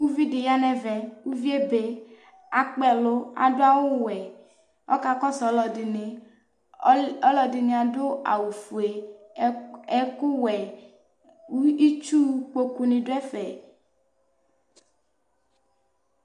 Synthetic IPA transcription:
wu˦vi˦de˨ja˦nɛ˦vɛ˨wu˦vi˦e˦be˦ | a˨k͡pɛ˨lo˦a̰˨do˦a˦wo˦wɛ˨ | ɔ˦ka˦kɔ˦sɔ˨˦lɔ˨di˨ne˨ | ɔ˦lɔ˨di˨ne˨a˨do˦a̰˨wu˨fu˨e˨ | ɛ˦ku˦wɛ˨ | u˦i˦t͡ʃu˦k͡po˦ku˦nĩ˨ɖo˦ɛ˦fɛ˨

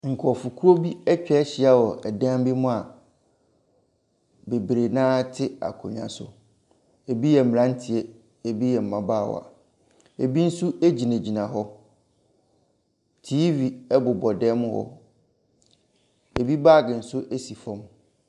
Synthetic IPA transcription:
ŋ̩˨kʰɔ˨fʊ˨kʰu˦o˦bi˦ɛ˦t͡ɕᶣɛ˦ɕɪ˨a˦wɔ˨ʔɛ˨dã˦m˦bi˦mʊ̃˦a˨ | be˨bɾe˨nãː˦tʰɪ˦a̰˨kʰo̰˨ɲã̰˨sʊ̰˨ | e˨bi˦jɛ˨m̩˨m˨ã˦n̩˦tʰɪ˨ɛ˦ | e˨bi˦jɛ˨m̩˨mã˨baː˦˨w̰a̰˨ | e˨bi˦n̩˦su˦e˦d͡ʑi˨næ̃˨d͡ʑi˨nã˨ɦɔ˦ | tʰiː˦vi˨ɛ˦bʊ˨bɔ˨dɛː˦mʊ̃˦hɔ̰˦ | e˨bi˦baː˦˨ɡɪ˨n̩˨sʊ˦ʔe˦si˨fɔ̃˦m

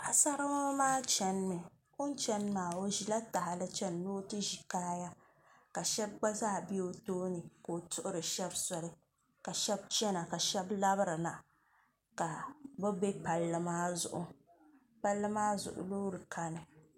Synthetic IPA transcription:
a˨sa˦ɾa˦ma˦maː˦t͡ʃɛ˨n˦mɨ˨ | o˦n˦t͡ʃɛ˦n˦maː˨o˦ʒi˨la˦ta˨ɦa˨lɨ˦t͡ʃɛ˦nː˦o˦tɨ˦ʒi˨kaː˦ja˦ | ka˨ʃɛ˦b̚ɡ͡ba˦zaː˦˨bi˦o˦toː˦nɨ˨ko˨tʊ˦ʔʊ˦ɾɨ˨ʃɛ˦bsɔ˨lɨ˦ | ka˨ʃɛ˦b̚t͡ʃɛ˦na˨ka˨ʃɛ˦bla˦bɾɨ˨na˨ | ka˨bʊ˦be˦pa˨lːɨ˦maː˦zʊ̰˨ʔʊ̰˦ | pa˦lːɨ˦maː˦zʊ̰˨ʔʊ̰˨loː˦ɾɨ˨ka˦nɨ˨

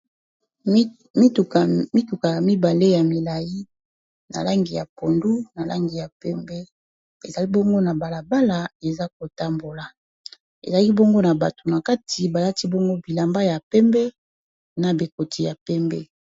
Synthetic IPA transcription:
m˦˨mi˦tu˨ka˨ja˨mi˦ba˨le˦ja˨mi˨la˨ji˦ | na̰˨la˦ŋɡi˨ja˨po˨ndu˦na˨la̰˦ŋɡi˨ja˨pɛ˦mbɛ˦ | e˨za˨li˦bɔ˦ŋɡo˦na˨ba˨la˨ba˦la˨e˨za˦k̚o˨ta˦mbo˨la˨ | ḛ˨za˨˦ki˦bɔ˦ŋɡo˦na˨ba˨to˨na˨ka˦tʰi˨ba˨la˦ti˦bɔ˦ŋɡo˦bi˨la˨mba˦ja˨pɛ˦mbɛ˦ | na˨bi˨ko˨ti˨ja˨pɛ˦mbɛ˦

